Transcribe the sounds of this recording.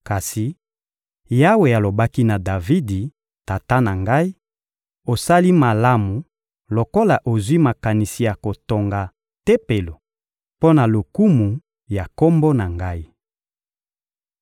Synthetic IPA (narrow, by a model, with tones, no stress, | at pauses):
ka˨si˨ | ja˦we˨a˨lo˨ba˦ki˦na˨da˨vi˦di˨ | ta˨ta˦na˨ŋɡa˦i˦ | o˨sa˦li˦ma˨la˦mu˨ | lo˨ko˦la˨ʔo˨zwi˦ma˨ka˨ni˨si˨ja˨ko˨to˨ŋɡa˨ | te˦pe˨lo˨ | po˦na˨lo˨ku˦mu˨ | ja˨ko˦mbo˦na˨ŋɡa˦i˦